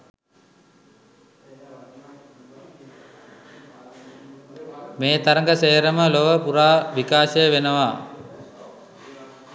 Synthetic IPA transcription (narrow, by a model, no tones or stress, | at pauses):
meːt̪aɾəŋɡəseːəɾəməloʋəpuɾaːʋikaːʃəjəʋenəʋa